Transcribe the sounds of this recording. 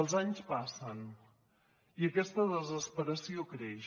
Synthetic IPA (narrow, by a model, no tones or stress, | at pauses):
əlˠzaɲspasən | iəkɛst̪əðəzəspəɾəsiokɾɛʃ